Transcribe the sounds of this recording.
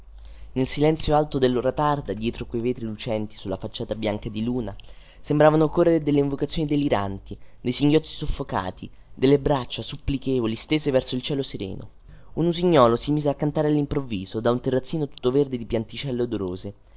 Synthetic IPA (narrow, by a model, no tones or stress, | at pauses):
nelsilɛnt̪sjoalt̪od̪elːoɾat̪ard̪ad̪jɛːt̪ɾokwejveːt̪ɾilut͡ʃɛnt̪i̥sulːafat͡ʃːaːt̪abjaŋkad̪iluːna | sembɾaːvanokorːeɾed̪elːeiɱvokat̪sːjoːnid̪elːiɾa̰nt̪id̪ejsiŋɡjɔt̪sːi̥sofːoka̰ːt̪ʰi | d̪elːebɾat͡ʃːasupːlikeːvolist̪eːzevɛrsoilt͡ʃɛːloseɾḛːno̰ | unuziɲːɔːlosimiːzeakːant̪aːɾealːimpɾovːiːzod̪aunt̪erːat̪sːiːnot̪u̥t̪ːoverd̪ed̪ipjant̪it͡ʃɛlːod̪oɾoːze